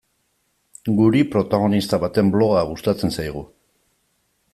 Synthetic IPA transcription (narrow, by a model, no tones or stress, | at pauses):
ɡuɾipɾo̞t̪aɣ̞o̞nist̪aβat̪e̞mblo̞ɣaɣ̞ust̪at͡se̞nsajɣ̞u